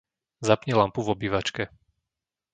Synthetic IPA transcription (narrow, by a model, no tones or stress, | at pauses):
zapɲɛlampuvɔbiʋat͡ʃkɛ